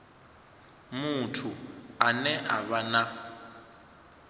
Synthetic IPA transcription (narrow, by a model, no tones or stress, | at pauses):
mutʰuanɛʔa̰βana